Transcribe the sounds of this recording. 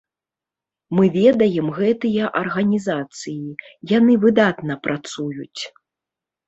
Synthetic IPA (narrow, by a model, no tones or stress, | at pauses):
mɨvʲɛd̪ɐjɛmɣɛt̪ɨjɐʔɐrɣɐnʲizat̪sɨjijanɨvɨd̪at̪nɐpɾʔat̪sujut͡sʲ